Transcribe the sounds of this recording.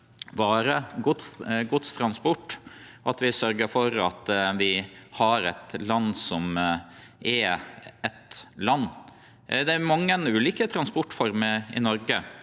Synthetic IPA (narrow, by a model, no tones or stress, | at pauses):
bɑːɾəɡʊt̪sɡʊt̪st̪ʰɾɑnspɔʈːʔɑt̪ʋɪsœɾɡəɾfɔɾɑt̪ʋɪhɑɾɛt̪lɑnːsɔm | ʔɛɛt̪lɑnː | d̪ɛæɾmɑŋːənʉːliːkət̪ʰɾɑnspɔʈːfɔɾməɪ̰nɔɾɡə